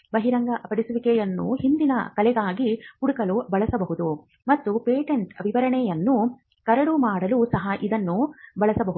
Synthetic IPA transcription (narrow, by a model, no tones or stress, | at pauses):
bɐɦiɾɐŋɡɐʔɐpɐɽisuʋikɛjɐnːṵhind̪inɐ̰kɐlɛɡaːɡikuɽukɐlubɐɭɐsɐbɐɦud̪u | mɐt̪ːupeːʈeɳʈɐbʱiʋɐɾɐɳɛjɐnːu | kɐɾɐɽumaːɽɐlusɐɦɐʔid̪ɐnːubɐɭɐsɐbɐɦu